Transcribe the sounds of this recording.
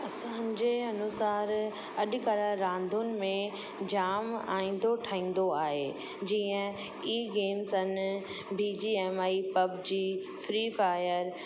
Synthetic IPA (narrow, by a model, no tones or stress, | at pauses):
ɐsãɲd͡ʑeːɐnʊsaːɾ | ɐɗɪkɐɾaɾãːnd̪ʱʊnɪ̆mẽ | d͡ʑaːma̰ːĩːnd̪oʈʰaːĩːn̆d̪oaːɦeː | d͡ʑiːə̃ | iːɡeːmsɐn | biːd͡ʑiːɛːmaːipɐbd͡ʑiː | fɾiːfaːjəɾ